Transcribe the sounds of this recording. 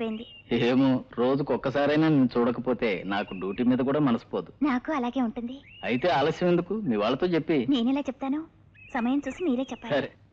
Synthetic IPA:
poːjind̪ieːmoɾoːd͡ʒukɔkːɐsaːɾɐjnaːniːnt͡ʃuːɽɐkɐpo̞ːt̪e̞ːnaːkuɖjuːʈiːmiːd̪ɐk̬uːɽaːmɐnɐsi̥poːd̪u̥naːkuɐlaːɡe̞ːuɳʈund̪iɐjit̪e̞ːaːlɐsjɐme̞nd̪ukumiːʋaːɭːɐt̪o̞ːt͡ʃe̞pːine̞ːnɛlaːt͡ʃɛpu̥t̪aːnu | sɐmɐjɐmt͡ʃuːsimiːɾe̞ːt͡ʃɛpːaːɐɾe

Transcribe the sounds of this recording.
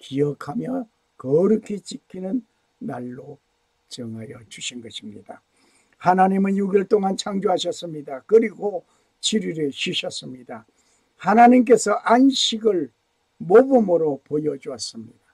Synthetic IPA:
kijʌkʰamjʌ | kʌɾɯkʰit͡ɕikʰinɯnː | aɭːo | t͡ɕʌŋɦajʌd͡ʑuɕʰinɡʌɕʰimɲida | hanaɲimɯnjuɡjiɭt͈oŋant͡ɕʰaŋd͡ʑoɦaɕʰʌs͈ɯmɲidakɯɾiɡo | t͡ɕʰiɾiɾeɕiɕʰʌs͈ɯmɲida | hanaɲimk̬e̞sʰʌʔanɕʰiɡɯɭ | mobumɯɾopojʌd͡ʑuas͈ɯmɲida

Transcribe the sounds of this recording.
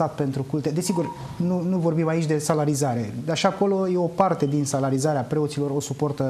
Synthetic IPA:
at̪pe̞nt̪ɾukult̪e̞d̪esiɡur | nunuvo̞rbimait͡ʃʲd̪e̞salaɾizaɾe̞aʃaako̞lo̞jeo̞part̪e̞d̪insalaɾizaɾeapɾe̞o̞t̪silo̞ro̞supo̞rt̪ə

